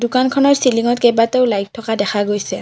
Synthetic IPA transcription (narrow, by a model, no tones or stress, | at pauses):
dukankʰɔnɔɹsiliŋɔtkejbateʊlajk̚tʰːɔkadɛxʰaɡojsɛ